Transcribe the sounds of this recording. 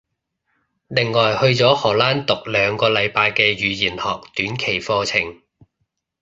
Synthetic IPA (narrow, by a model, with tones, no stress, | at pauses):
lɪ˨˩ŋːɔː˨˩jhɵ˧ɥt͡sɔː˨˥hɔː˨˩laː˥nt̪ʊ˨k̚lœː˨˧ŋkɔː˧lɐ˨˧jpaː˧jkɛː˧jyː˨˧jiː˨˩nhɔː˨k̚t̪yː˨˥nkʰe˨˩jfɔː˧t͡sʰɪ˨˩ŋ